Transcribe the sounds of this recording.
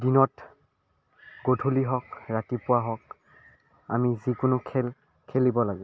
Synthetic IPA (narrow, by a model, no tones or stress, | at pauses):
dinɔt | ɡodʰʱuliɦɔkɹatipʊwaɦɔk̚ | a̰mizikʊnʊkʰɛl | kʰelibɔlaɡɛ